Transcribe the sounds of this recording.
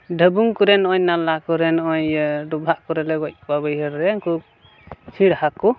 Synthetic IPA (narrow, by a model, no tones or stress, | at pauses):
ɖʱəbuŋkuɾɛnɔjnalakɔɾɛnɔjɖubʱaʔkɔɾɛlɛɡɔc̚babɯjɦəɾɾɛŋku | t͡ʃʰiɽhaku